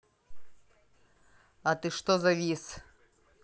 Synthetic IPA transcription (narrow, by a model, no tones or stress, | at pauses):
ɐt̪ɨʂt̪ozɐvʲis